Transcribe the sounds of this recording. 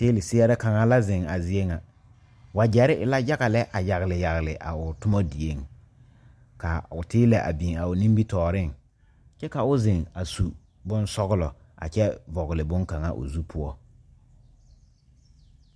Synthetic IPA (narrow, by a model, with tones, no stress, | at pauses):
teː˦lɪ˨sɪ˦ɛ˦ɾɪ˦ka˨ŋa˦la˦zɪ˨ŋa˨zi˦e˦ŋa˨ | wa˨d͡ʒɛ˨ɾɪ˦ʔɪ˨la˦ja˦ɣa˨lɛ˦ʔa˨ja˨ɣɪ˨lɪ˨ja˨ɣɪ˨lɪ˨ʔa̰˨ʊ˨tʊ˦mɔ˦di˨e˦ŋ | ka˨ʊ˨tɪː˦lɛ˨ʔa̰˨bi˨ŋa˨ʊ˨nĩ˦mbi˦tɔː˨ɾɪ˦ŋ | t͡ʃɛ˦ka˨ʊ˦zɪ˨ŋa˨su˨ | bʊ˦nsɔ˦ɣʊ˦lɔ˨ | a̰˨t͡ʃɛ˦vɔ˨ɣɪ˨lɪ˨bʊ˦ŋka˨ŋa˦ʔʊ̰˨zu˦pʰʊ˦ɔ˦